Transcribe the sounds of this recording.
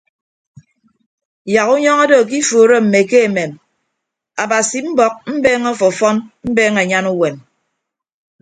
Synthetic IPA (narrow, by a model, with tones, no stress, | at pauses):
ja˨ku˦ɲɔ˦ŋa˦do˦˨k̬i˦foː˨ɾe˦m̩˨me˨ke˦e˨me˨m | a˨ba˨si˨m̩˦bɔ˦k̚m̩˦beː˦ŋɔ˦fɔ˨fɔ˦nm̩˦beː˦ŋe˨ɲa˦nu˦we˨m